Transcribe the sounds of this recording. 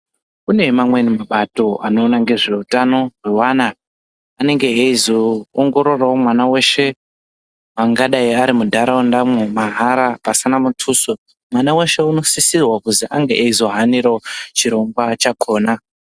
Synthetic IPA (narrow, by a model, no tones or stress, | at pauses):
une̞mamwe̞nimaɓato̞ano̞ːnaŋɡe̞ʐe̞utano̞rwewanaː | ne̞ŋɡe̞ːizoːŋɡo̞ɾo̞rawomwanawe̞ʃe̞ | maŋɡaɗaiaɾimudʱaɾaondamumaɦaɾapasinamutʰuːso | mwanawe̞ʃe̞uno̞sisirwakuziʔaŋɡḛʔeizo̞ɦaniɾot͡ʃiɾo̞ŋɡwat͡ʃakʰo̞ːna